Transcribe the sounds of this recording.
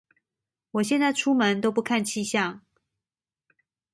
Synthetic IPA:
wɔ˨˩ɕjɛ˥˧nt͡sa˥˩ɪʈ͡ʂʰu˥mə˧˦nt̪o˥ʊp̬u˥˧kʰa˥˨nt͡ɕʰi˥ɕjɑ˥˨ŋ

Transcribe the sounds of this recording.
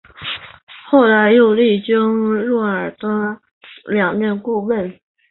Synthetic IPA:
xo˥˩ʊla˧˥ɪjo˥˧ʊli˥˩t͡ɕi˥ŋɻɔ˥˩ə˞˨˩t̪a˥ | ljɑ˨˩ŋt̪jɛ˥˧nku˥˧wə˥˩n

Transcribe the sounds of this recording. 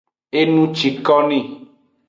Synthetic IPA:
e˦nũ˦t͡ʃi˨kɔ˦nĩ˦˨

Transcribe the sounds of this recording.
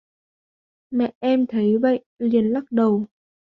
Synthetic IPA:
mɛ̰˧˨ʔɛ˧mt̪ʰə˨˦jvə̰˧˨jli˨˩ənla˦˥k̚ɗə˨˩w

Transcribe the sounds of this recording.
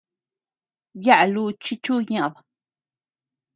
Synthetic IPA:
ja˦ʔlu˦t͡ʃi˦t͡ʃu˦ɲã˧ða˨

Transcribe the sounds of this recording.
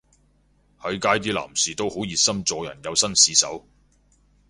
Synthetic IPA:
hɐ˨˧˥jkaː˥jt̪iː˥la̰ː˨˩msiː˨t̪o˥who˨˥wjiː˨t̚sɐ˥mt͡sɔː˨˧jɐ̰˨˩njɐ˨˧wsɐ˥nsiː˨˥sɐ̰˨˥w

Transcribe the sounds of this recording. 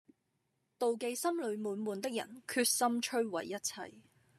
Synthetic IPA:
t̪o˨wke˨jsɐ˥mlɵ˨˧ɥmuː˨˥nmuː˨˩nt̪ɪ˥k̚jɐ̰˨˩nkʰyː˧t̚sɐ˥mt͡ʃʰɵ˥ɥwɐ̰˨˩jːɐ˥t̚t͡sʰɐ̰˧j

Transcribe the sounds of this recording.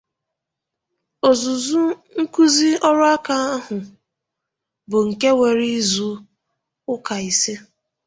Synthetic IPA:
o˨zu˨zu˦ŋ̩˦ku˦zi˦ɔ˦ɾʊ˦a˦ka˦a˦ɦʊ˨ | bʊ˨ŋ̩˨ke˦we˨ɾi˦zu˨ | ʊ˦ka˨i˨se˦

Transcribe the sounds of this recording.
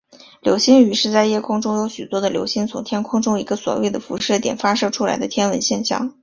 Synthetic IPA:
ljo̰˧˥ʊɕi˥ny˧˥ʂɻ̩˥˧t͡sa˥˩ɪjɛ˥kʰʊ˥ŋʈ͡ʂʊ˥ŋjo˧˥ʊɕy˨˩t̪wɔ˥d̪ə˨ljo˧˥ʊɕi˥nt͡sʰʊ˧˥ŋt̪ʰjɛ˥nkʰʊ˥ŋʈ͡ʂʊ˥ŋi˧˥ɡə˧swɔ̰˨˩wḛ˥˩ɪd̪ə˩fṵ˧˥ʂɤ˥˩t̪jɛ̰˨˩nfa˥ʂɤ˥˩ʈ͡ʂʰu˥la̰˧˥ɪd̪ə˧t̪ʰjɛ˥nwə˧˥nɕjɛ˥˧nɕjɑ̰˥˩ŋ

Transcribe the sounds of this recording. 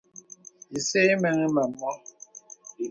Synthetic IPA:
i˨se˦mɛ˨ŋi˦mɛ˨m̩ː˨ɔ˦

